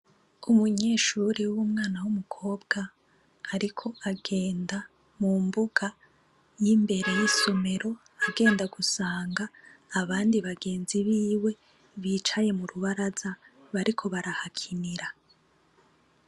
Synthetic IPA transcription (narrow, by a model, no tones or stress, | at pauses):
umuɲe̞ːʃuɾiwumŋaːnawumukʰo̞ːbɡaː | ɾikʰo̞aɡe̞ːnda | muːmbuɡ̥a | jimbe̞ɾe̞jisome̞ɾo̞ | aɡe̞ːndaɡusaːŋɡaːβaːndiβaɡe̞ːnziβiːwe̞ | βiːt͡ʃaje̞muɾuβaɾaza | βaɾikʰo̞βaɾahakʰiniɾa